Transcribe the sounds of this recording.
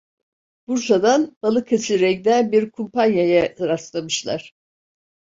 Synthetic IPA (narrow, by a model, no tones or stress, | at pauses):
b̥uɾsad̪anb̥alˠɯkʰat͡ʃiɾɛkd̪ænbiɾkʰumpʰanjajaɾast̪lˠamɯʃlˠa̰ɾ̥